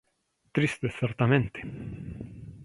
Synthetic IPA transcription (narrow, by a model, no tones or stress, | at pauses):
t̪ɾist̪ɪasɛɾt̪amɛnt̪i̥